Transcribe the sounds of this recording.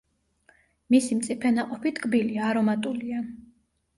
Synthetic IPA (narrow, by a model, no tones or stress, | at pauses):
misimt̪sʼipʰɛnaqʼɔpit̪ʰkʼbiliaɾɔmat̪ʼulia